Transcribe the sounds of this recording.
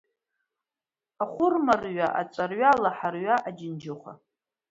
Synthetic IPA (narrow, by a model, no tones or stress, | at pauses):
aχʷʊrmarɥaʔa̰t͡sʷʼarɥalaħarɥaʔad͡ʒɪnd͡ʒɪχʷa̰